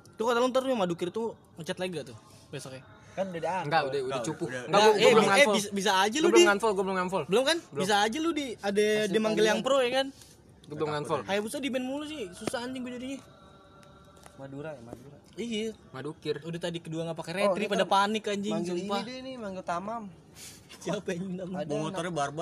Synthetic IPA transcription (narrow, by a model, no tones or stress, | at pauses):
t̪ukat̪alɔŋt̪əɾmadukɪrt̪u | ŋət͡ʃat̪laɡat̪u | basaka | kanudadaŋɡaʔudɛudat͡ʃupuŋɡaaɡlŋaɛɔisabis̬aːd͡ʒalubəliŋanfɔlɡabəlʊmŋanfɔlbəlʊmkanbəis̬aːd͡ʒaludiadademaŋɡəljaŋpɾojakan | ɡblʊmŋanfɔlajabusadibɛnmulus̬ɪhsusaaɲd͡ʒɪŋbudadiɲɛ | maduɾamaduɾa | ia | madukɪrudaht̪adikəduaŋapakaɾeɾipadapanɪkaɲd͡ʒɪŋsupanimaŋɡəlt̪amam | siapaɲiŋdambumɔɔrbarba